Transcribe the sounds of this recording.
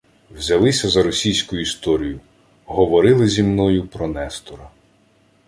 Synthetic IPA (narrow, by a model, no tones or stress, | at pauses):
wzʲɐlˠɪsʲɐzɐɾɔsʲijsʲkʊjʊist̪ɔɾʲijʊ | ɦɔʋɔɾɪlˠɪzʲimnɔjʊpɾɔnɛst̪ɔɾɐ